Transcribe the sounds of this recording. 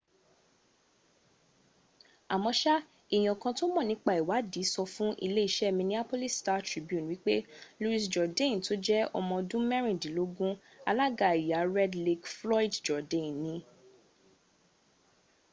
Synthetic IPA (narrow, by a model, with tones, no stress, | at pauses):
a˨mɔ̃˧ʃa˦ | i˨j̃ɔ̃˨kã˧to˦mɔ̃˦˨nĩ˨˦k͡pa˦˨i˨wa˨˦di˨˦sɔ˧fũ˦ʔḭ˧le˦i˦ʃɛ˦mĩ˧nĩ˦a˦po˦li˦sta˧˦tɾi˨˦bjũ˦˨wi˦k͡pe˦lu˧i˧sd͡ʒɔ˨dẽ˦˨n˨to˦d͡ʒɛ˦ɔ˧mɔ̃˧dũ˦mɛ˦ɾ̃ĩ˨dĩ˨˦lo˧˦ɡũ˦ | a˧la˦ɡa˨i˨ja˨˦ɾɛ˦dli˧kflɔ˦i˦dd͡ʒɔ˨dẽ˨nːĩ˧˦